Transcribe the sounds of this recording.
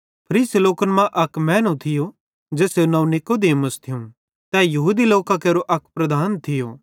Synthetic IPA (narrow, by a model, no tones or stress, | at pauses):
pʰɐɾiːsiloːkənmãʔɐkmɛ̃ːnũt̪ʰɪjo | d͡ʒeːsenɐũnɪkod̪eːməst̪ʰɪjũ | t̪ɛːjɐɦuːd̪iloːkakeːɾoʔɐkʰpɾɐd̪ʱaːnt̪ʰɪjo̰ː